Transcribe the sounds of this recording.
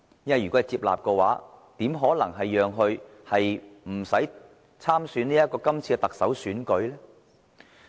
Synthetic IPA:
jɐ˥nwɐ˨jy˨kɔ˨˥˨jt͡siː˧p̚la̰ː˨p̚kɔː˧waː˨˥t̪iː˨˥mɦɔː˨˥lɐ˨˩ŋɦɐ˨jːœː˨ŋɦɵ˧ɥ | hɐ˨jm̩˨˩sɐ˨˥j | t͡sʰaː˥msyː˨˥niː˥jɐ˥t̚kːɔː˧kɐ˥mt͡sʰiː˧kɛ˧t̪ɐ˨k̚sɐ˨˥wsyː˨˥nkɵ˨˥ɥlɛː˥

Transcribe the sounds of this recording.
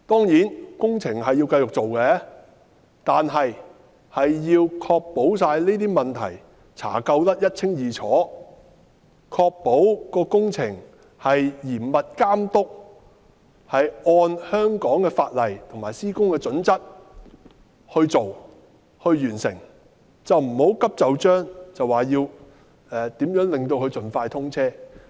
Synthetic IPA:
t̪ɔː˥ŋjiː˨˥nkʊ˥ŋt͡sʰɪ˨˩ŋɦɐ˨jːi˧wkɐ˧jt͡sʊ˨k̚t͡so˨wkɛ˧˥ | t̪aː˨nɦɐ˨j | hɐ˨jːiː˧wkʰɔː˧k̚po˨˥ws̬aː˧jleː˥t̪iː˥mɐ˨˩nt̪ʰɐ˨˩j | t͡sʰa̰ː˨˩kɐ˧wt̪ɐ˥t̚jɐ˥t̚t͡sʰɪ˥ŋjiː˨t͡sʰɔː˨˥ | kʰɔː˧k̚po˨˥wkɔː˧kʊ˥ŋt͡sʰɪ˨˩ŋ | hɐ˨jjiː˨˩nmɐ˨t̚kaː˥mt̪ʊ˥k̚ | hɐ˨jʔɔː˧nhœː˥ŋkɔː˨˥ŋkɛː˧faː˧t̚lɐ˨˩jt̪ʰʊ˨˩ŋmaː˨˩jsiː˥kʊ˥ŋkɛː˧t͡sɵ˨˥nt͡sɐ˥t̚ | hɵ˧ɥt͡so˨w | hɵ˧ɥɥyː˨˩nsɪ̰˨˩ŋ | t͡sɐ˨wm̩˨˩ho˨˥wkɐ˥p̚t͡sɐ˨wt͡ʃœː˥ŋt͡sɐ˨waː˨˩jiː˧w | ɛː˨t̪iː˨˥mjœː˨˥ŋlɪ˨ŋt̪o˧wkɵ˧ɥt͡sɵ˨nfaː˧jt̪ʰʊ˥ŋt͡sʰɛː˥

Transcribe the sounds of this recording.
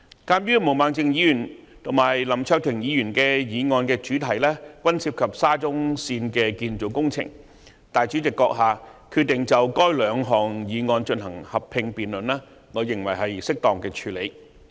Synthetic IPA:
kaː˧˥mɥyː˥mo˨˩wmaː˨˧ŋt͡sɪ˨ŋjiː˨˧jyː˨˩n | t̪ʰʊ˨˩ŋmaː˨˩jlɐ˨˩mt͡ʃʰœː˧k̚t̪ʰɪ˨˩ŋjiː˨˧jyː˨˩nkɛː˧jiː˨˧˥ŋɔː˧nkɛː˧t͡ʃyː˨˥t̪ʰɐ˨˩jlɛː˥kʷwʷɐ˥nsiː˧p̚kʰɐ˨p̚saː˥t͡sʊ˥ŋsiː˧nkɛː˧kiː˧nt͡so˨˩wkʊ˥ŋt͡sʰɪ̰˨˩ŋ | t̪aː˨jt͡ʃy˨˥t͡sɪ˨kːɔː˧k̚ɦaː˨kʰyː˧t̚t̪ːɪ˨˩ŋt͡sɐ˨wkɔː˥jlœː˨˧ŋɦɔː˨˩ŋjiː˨˧ŋɔː˧nt͡ʃɵ˧nɦɐ˨˩ŋhɐ˨˩pʰɪ˧ŋpiː˨nlɵ˨˩nlaː˥ | ŋɔː˨˧jɪ˨˩ŋwɐ˨˩jɦɐ˨jsɪ˥k̚t̪ɔː˨ŋkɛː˧t͡ʃʰyː˨˧le˨˧j

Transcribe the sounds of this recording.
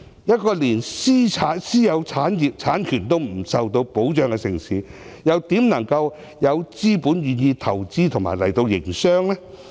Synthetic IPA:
jɐ˥t̚kɔː˧liː˨˩nsiː˥t͡sʰaː˨˥nsiː˥jɐ˨˧wt͡sʰaː˨˥nji˨p̚t͡sʰaː˨˥nkʰyː˨˩nt̪o˥wm̩˨˩sɐ˨wt̪o˧wpo˨˥wt͡ʃœː˧ŋkɛ˧sɪ˨˩ŋsiː˨˥ | jɐ˨˧wt̪iː˨˥mnɐ˨˩ŋkɐ˧w | jɐ˨˧wt͡siː˥puː˨˥njyː˨njiː˧t̪ʰɐ˨˩wt͡siː˥t̪ʰʊ˨˩ŋma̰ː˨˩jlɐ˨˩jt̪o˧wjɪ˨˩ŋsœː˥ŋlɛː˥

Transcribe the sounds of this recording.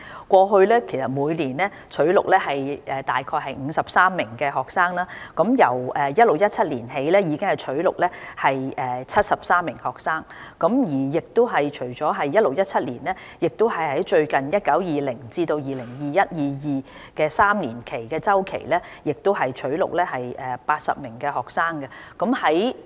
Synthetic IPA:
kʷɔː˧ɦɵ˧ɥlɛː˥kʰe˨˩jsɐ˨t̚muː˨˧jniː˨˩nlɛː˥ | t͡ʃʰɵ˨˥ɥlʊ̰˨k̚lɛː˥ɦɐ˨jʔɛː˨t̪aː˨jkʰɔː˧jɦɐ˨jŋ̩ː˨˧sɐ˨p̚saː˥mːɪ˨˩ŋkɛː˧ɦɔː˨k̚saː˥ŋlaː˥kɐ˨˥mjɐ˨˩wɛː˨jɐ˥t̚lʊ˨˩k̚jɐ˥t̚t͡sʰɐ˥t̚liː˨˩nɦe˨˥jlɛː˥jiː˨˧kɪ˥ŋhɐ˨jt͡ʃʰɵ˨˥ɥlʊ˨k̚lɛː˥hɐ˨jʔɛː˨t͡sʰɐ˥t̚sɐ˨p̚saː˥mːɪ˨˩ŋhɔː˨k̚saː˥ŋ | kɐ˨˥mjiː˨˩jɪ˨k̚t̪ʊ˥ɦɐ˨jt͡ʃʰɵ˨˩ɥt͡sɔː˨˥ɦɐ˨jːɐ˥t̚lo˨k̚jɐ˥t̚t͡sʰɐ˥t̚liː˨˩nlɛː˥ | jɪ˨k̚t̪o˥whɐ˨jhɐ˨˥jt͡ʃɵ˧ɥkɐ˨njɐ˥t̚kɐ˨˥wjiː˨lɪ˨˩ŋt͡siː˧t̪o˧wjiː˨lɪ˨˩ŋjiː˨jɐ˥t̚jiː˨jiː˨ | kɛː˧saː˥mniː˨˩nkʰe˨˩jkɛː˧t͡sɐ˥wkʰḛ˨˩jlɛː˥ | jɪ˨k̚t̪o˥wɦɐ˨jt͡ʃʰɵ˨˥ɥlʊ̰˨k̚lɛː˥ɦɐ˨jʔɛː˨paː˧t̚sɐ̰˨p̚mɪ˨˩ŋkɛː˧hɔː˨˩k̚saː˥ŋkɛ˧kɔ˨˥mhɐ˨˥j

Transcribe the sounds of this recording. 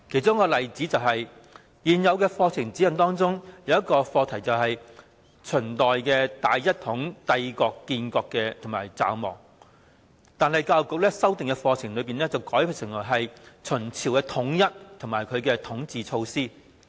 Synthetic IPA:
kʰe˨˩jt͡sʊ˥ŋkɔː˧lɐ˨˩jt͡siː˨˥t͡sɐ˨wɦɐ˨j | jiː˨˩njɐ˨˧wkɛː˧fɔː˧t͡sʰɪ˨˩ŋt͡siː˨˥jɐ˨nt̪ɔː˥ŋt͡sʊ˥ŋjɐ˨˧wjɐ˥t̚kɔː˧fɔː˧t̪ʰɐ˨˩jt͡sɐ˨wɦɐ˨j | t͡ʃʰɵ˨˩nt̪ɔː˨jkɛː˧t̪aː˨jjɐ˥t̚t̪ʰʊ˨˥ŋt̪ɐ˧jkɔː˧kːiː˧nkɔː˧kːɛː˧t̪ʰʊ˨˩ŋmaː˨˩jt͡sa̰ː˧wmɔ̰ː˨˩k̚ | t̪aː˨˧nhɐ˨˩jkaː˧wkʊ˨k̚lɛː˥sɐ˥wt̪ɪ˨ŋkɛ˧fɔː˧t͡sʰɪ˨˩ŋlɵ˨˧piː˨˩nɛː˥t͡sɐ˨wkɔː˨˥jpʰy˨˧sɪ˨˩ŋlɔː˨˩ɦɐ˨jt͡ʃʰɵ˨˩nt͡sʰiː˨˩wkɛː˧t̪ʰʊ˨˥ŋjɐ˥t̚t̪ʰʊ˨˩maː˨˩jkʰɵ˨˧ɥkɛː˧t̪ʰʊ˨˥ŋt͡siː˨t͡ʃʰo˧wsiː˥

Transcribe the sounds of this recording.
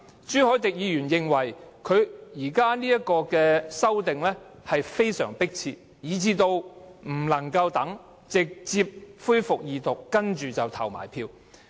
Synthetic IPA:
t͡ʃyː˥hɔː˨˥t̪ɪ˨k̚jiː˨˧jyː˨˩njɪ˨ŋwɐ˨˩jkʰɵ˨˧ɥjiː˨˩kaː˥niː˥ɐ˥kːɔː˧kɛː˧sɐ˥wt̪ɪ˨ŋlɛː˥ | hɐ˨jfe˥jsœ̰ː˨˩ŋpɪ˥k̚t͡sʰiː˧ | jiː˨˧t͡siː˧t̪o˧wm̩˨˩lɐ˨˩ŋkɐ˧wt̪ɐ˨˥ŋ | t͡sɪ˨k̚t͡siː˧p̚fuː˥jfʊ˨k̚jiː˨˧t̪ʊ˨˩kːɐ˥nt͡ʃyː˨t͡sɐ˨wt̪ʰɐ˨˩wma̰ː˨˩jpʰiː˧w

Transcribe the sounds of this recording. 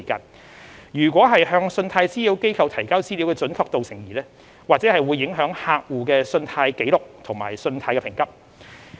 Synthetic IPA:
ka̰ː˧n | jyː˨˩kʷɔː˨˥ɦɐ˨jɦœː˧ŋsɵ˧nt̪ʰaː˧jt͡siː˥li˨˥wke˥jkʰɐ˨˧wt̪ʰɐ˨˩jkaː˥wt͡siː˥li˨˥wkɛː˧t͡ʃɵ˨˥nkʰɔː˧k̚t̪o˨wsɪ˨˩ŋjiː˨˩lɛː˥ | waː˨k̚t͡sɛː˨˥hɐ˨jwu˨˧jːɪ˨˥ŋɦœː˨˥ŋhaː˧k̚wuː˨kɛː˧sɵ˧nt̪ʰaː˧jke˨˥jlʊ˨k̚t̪ʰʊ˨˩ŋma̰ː˨˩jsɵ˧nt̪ʰaː˧jkɛ˧pʰɪ˨˩ŋkɐ˥p̚

